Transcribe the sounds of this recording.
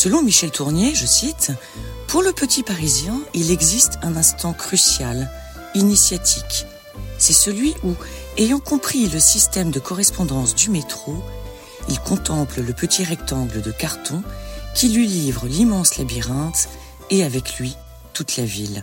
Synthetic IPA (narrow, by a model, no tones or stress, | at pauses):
səlɔ̃miʃɛlt̪ʰuʁnjeʒəsit̪ | puʁləpət̪ʰipaʁizjɛ̃ilɛɡzist̪ɛ̃nɛ̃st̪ɑ̃kχysjal | inisjat̪ʰik | sɛsəlɥiʔu | ejɑ̃kɔ̃pχiləsist̪ɛmd̪əkɔʁɛspɔ̃d̪ɑ̃sd̪ymet̪χo | ilkɔ̃t̪ɑ̃plələpət̪ʰiʁɛkt̪ɑ̃ɡləd̪əkaʁt̪ɔ̃kʲilɥilivʁəlimɑ̃slabiʁɛ̃t̪ | eavɛklɥi | t̪ut̪lavil